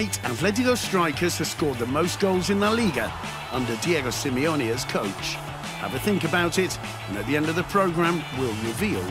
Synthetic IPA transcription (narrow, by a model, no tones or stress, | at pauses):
ɪtə̃vlɛdiɡoʊstɹ̥aɪkʰəz̥ɨv̥skɔɹd̪̚ðəmoʊsɡ̥oʊlˠzɨ̃nðəliɡə | ʌ̃ndədiɛɡoʊsɪmioʊniɨz̥kʰoʊt͡ʃ | ha̰ʊvɨθɪ̃ŋkɨbaʊɾɪt | ə̃nɨt̪̚ðiɛ̃ndʌvðəpʰɹ̥oʊɡɹæ̃mwɪlˠɹɪvilˠ